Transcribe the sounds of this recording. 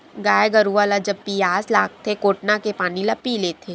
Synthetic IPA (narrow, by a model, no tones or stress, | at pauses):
ɡaːjɡɐɾuʋaːlad͡ʒɐbːijaːsla̰ːk̚t̪ʰekoːʈnakepaːnilɐpːileːt̪ʰeː